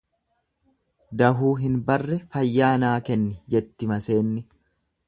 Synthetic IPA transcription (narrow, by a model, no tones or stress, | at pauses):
d̪ɐɦuːɦɪnbɐrːɛfɐjːaːnaːkɛnːɪd͡ʒɛt̪ːɪmɐse̞ːnːɪ